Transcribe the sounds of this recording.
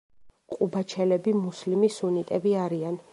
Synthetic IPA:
qʼubat͡ʃʰɛlɛbimuslimisunit̪ʼɛbiaɾian

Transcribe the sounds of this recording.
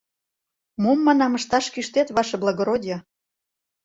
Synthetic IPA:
momːɑnɑmə̆ʃt̪ɑʃkyʃt̪et̪βɑʃeblˠɑɣoɾod̪ʲjɑ

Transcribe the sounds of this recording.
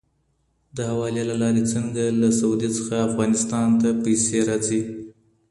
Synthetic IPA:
d̪əhawɑlelalɑɾet͡səŋɡalasaud̪it͡sə̥xaːfɣɑnɪst̪ɑnt̪apajseɾat͡si

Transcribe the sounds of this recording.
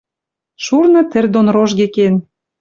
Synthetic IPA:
ʃurnɤ̆t̪ɘ̆rd̪onroʒɣeken

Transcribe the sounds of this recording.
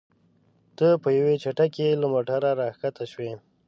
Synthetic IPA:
t̪əpəjawet͡ʃaʈakelamoʈaɾaɾɑxkat̪aʃwe

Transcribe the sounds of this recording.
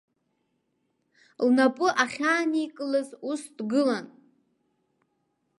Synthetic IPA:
lnapʼʊʔaχʲaːnikʼɨlɨzusdɡɨlan

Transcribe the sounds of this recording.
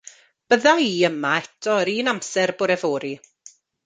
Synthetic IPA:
b̥əðaiːəmaɛtʰɔɾiːnamsɛrbʊɾɛvoːɾi

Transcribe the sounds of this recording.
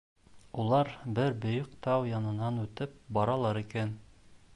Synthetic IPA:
ulˠɑɾbɘɾbɵ̆jokt̪ɑwjɑnɤ̆nɑnʉt̪ɘp̚bɒɾɑlˠɑɾikæn

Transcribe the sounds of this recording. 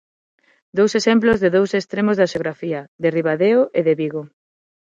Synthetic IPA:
d̪owsesemplozðeðowsest̪ɾemozðɐaʃeoɣɾafiɐðeriβaðeoʔeðeβiɣo

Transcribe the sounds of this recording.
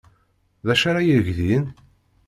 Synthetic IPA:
ðæʃaɾajəɾəʝðin

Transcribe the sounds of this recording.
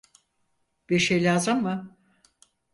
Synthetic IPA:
b̥iɾʃejlʲaːzɯmːɯ

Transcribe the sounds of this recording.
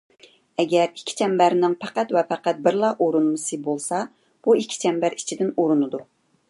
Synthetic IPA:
ɛɡʲɛɾi̥kʲʰːi̥t͡ʃʰɛmbæɾnɪŋpʰæqæt̪wɛpɛqæt̪̚bɪɾlˠɑʔoɾunmɨsɨbolˠsɑ | b̥uikʲʰːi̥t͡ʃʰɛmbæɾit͡ʃʰid̪ɪnoɾunɨd̪u

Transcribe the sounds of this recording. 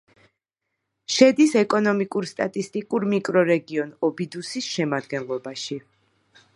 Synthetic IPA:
ʃɛd̪isɛkʼɔnɔmikʼuɾst̪ʼat̪ʼist̪ʼikʼuɾmikʼɾɔɾɛɡiɔnɔbid̪usisʃɛmad̪ɡɛnlˠɔbaʃi

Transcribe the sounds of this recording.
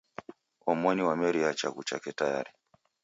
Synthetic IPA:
ɔmɔniwamɛɾiat͡ʃakut͡ʃa̰kɛtaja̰ɾi

